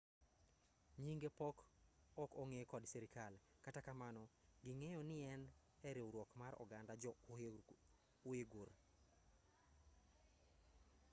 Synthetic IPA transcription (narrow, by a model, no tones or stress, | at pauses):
ɲiŋɡepɔkɔkɔŋekɔdsɛɾikalkatakamanɔɡɪŋɛjɔnɪɛn | ɛɾewɾwɔkmaɾɔ̰ɡandad͡ʒɔ | ʊeɡor